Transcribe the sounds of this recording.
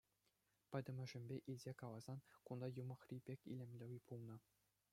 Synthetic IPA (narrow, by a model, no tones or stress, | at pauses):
pʲɤ̆d̪ʲɘ̆mʲɘ̆ʐɘ̆mʲbʲeʔilʲzʲekɑlˠɑz̥ɑnkund̪ɑjumɤ̆χrʲibʲekʲḭlʲɘ̆mʲlʲɘ̆ʋʲipʰulˠnɤ̆